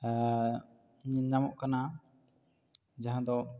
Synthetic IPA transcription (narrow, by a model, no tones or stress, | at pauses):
ɲinnamɔ̰ʔkana | d͡ʒaɦãd̪ɔ